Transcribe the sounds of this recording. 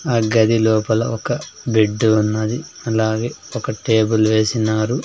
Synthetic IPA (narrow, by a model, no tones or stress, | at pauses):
ɐɡɐd̪ilɔːpɐlɐ̰ɔkɐbiɖːunːɐd̪i | ɐlaːɡeːɔkɐʈe̞ːbulʋe̞ːsinaːɾu